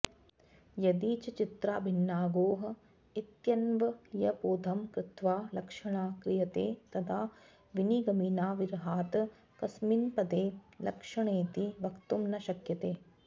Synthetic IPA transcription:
jɐd̪iːt͡ʃɐt͡ʃit̪ɾaːbʱinːaːɡoːɦɐ̆ | it̪jɐnʋɐjɐpoːd̪ʱɐmkɾɪt̪ʋaːlɐkʂɐɳaːkɾijɐt̪eːt̪ɐt̪ʰaː | ʋiniɡɐmiːnaːʋiɾɦaːt̪ | kɐsminpɐd̪eːlɐkʂɐɳeːt̪iʋɐkt̪umnɐʃɐkjɐt̪eː

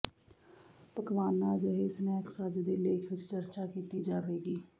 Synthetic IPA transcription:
pəkʋaːnãːd͡ʒəɦesnɛːksad͡ʒd̪eːleːkʰʋɪt͡ʃt͡ʃəɾt͡ʃaːkiːt̪iːd͡ʒaːɾeːɡiː

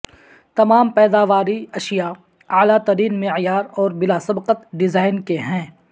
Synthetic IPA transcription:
t̪ɐmaːmpɛːd̪aːʋaːɾiɐʃija | aːlat̪ɐɾiːnmɪʕjaːɾɔːɾbɪlaːsɐbqət̪ɖɪzaːɪnkeɦɛ̃ː

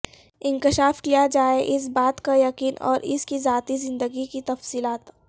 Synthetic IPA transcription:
ɪ̃ŋkɪʃaːfkijad͡ʒaːeʔɪs̬baːt̪kajɐqiːnɔ̰ːɾɪskizaːt̪izɪ̃nd̪əɡikit̪ɐfsiːlaːt̪

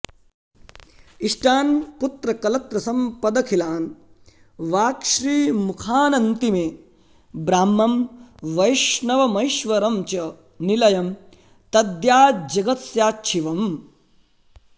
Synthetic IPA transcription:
iʂʈaːnput̪ɾɐkɐlɐt̪ɾɐsɐmpɐd̪ɐkʰilaːn | ʋaːkʃɾiːmukʰaːnɐnt̪imeː | bɾaːmːɐmʋɐjʃnɐʋɐmɐjʃʋɐɾɐmt͡ʃɐ | nilɐjɐm | t̪ɐd̪jaːd͡ʒɐɡɐt̪sjaːtːʃʰiʋɐm

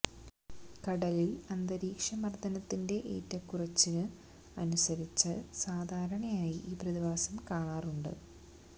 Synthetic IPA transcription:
kɐɽɐlilɐnd̪ɐɾiːkʂɐmɐrd̪ɐnɐt̪ːinde̞ʔḛːtːɐkːurɐt͡ɕːinɨ | ɐnusɐɾit͡ɕːɐsaːd̪ʱaːɾɐɳɐjaːjiʔiːprɐðiʋaːsɐmkaːɳaːruɳɖɨ̰

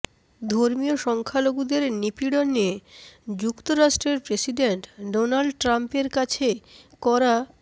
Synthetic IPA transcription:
d̪ʱoɾmioʃɔŋkʰaloɡud̪eɾnipiɽonːied͡ʑukt̪oɾaʃʈɾeɾpɾesiɖenʈɖonalɖʈɾampeɾkat͡ɕʰekɔɾa

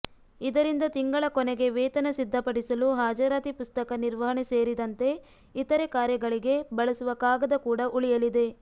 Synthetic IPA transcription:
id̪ɐɾind̪ɐt̪iŋɡɐɭɐkɔnɛɡe̞ʋɛːt̪ɐnɐsid̪ʱːɐpɐɽisɐluɦaːd͡ʒɐɾaːt̪ipust̪ɐkɐniɾʋɐɦɐɳeseːɾid̪ɐnt̪e̞ | it̪ɐɾekaːɾjɐɡɐɭiɡe̞bɐɭɐsuʋɐkaːɡɐd̪ɐkuːɽɐʔuɭijɐlid̪e̞

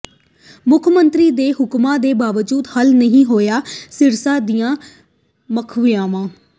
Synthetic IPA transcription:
mʊkʰmənt̪ɾiːd̪eːɦʊkmãːd̪eːbaːʋd͡ʒuːt̪həlnəɦĩːɦoːjaːsɪɾsãːd̪iːjãː | məkʰʋɪjãːʋãː

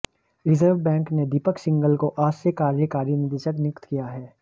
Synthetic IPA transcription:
ɾɪzəɾʋbɛ̃ːŋkned̪iːpəksɪ̃ŋɡəlkoʔaːsekaːɾjəkaːɾijənɪt̪ɪʃəknɪkt̪kijaɦɛː

